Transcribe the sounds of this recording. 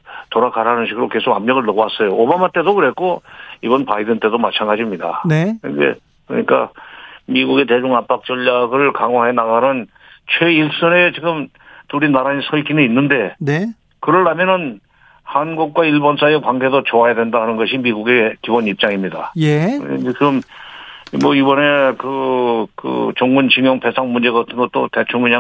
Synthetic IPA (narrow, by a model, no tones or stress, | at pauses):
toɾakʰaɾɦanɯnɕʰiɡɯɾoke̞sʰoɡamɲʌɡɯɭnʌɡowas͈ʌjoobamat͈e̞dokɯɾɦe̞k͈oibʌnpaidɯnt͈e̞domat͡ɕʰanɡad͡ʑimɲida̰neɯnde̞̰ | kɯɾ̰ɲik͈a̰miɡuɡe̞t̬e̞d͡ʑuŋap͈ak̚t͡ɕ͈ʌʎːaɡɯɭkaŋwaɦe̞naɡanɯn | t͡ɕʰwe̞iɭs͈ʌne̞t͡ɕiɡɯm | tuɾinaɾainsʰʌɭɡʰinɯinːɯnde̞n | kɯɾʌɭːamjʌnɯn | hanɡuk̚k͈waiɭbʌns͈ʰajekwaŋɡe̞dot͡ɕoajadwe̞ndahanɯnɡʌɕʰimiɡuɡe̞kibonip̚t͡ɕ͈aŋimɲidajḛiɡɯm | mʌibʌne̞kɯkɯ̰t͡ɕoŋɡunt͡ɕʰiŋjʌŋpʰe̞sʰaŋmund͡ʑe̞ɡatʰɯnɡʌt̚t͈o̰te̞t͡ɕʰuŋiɲa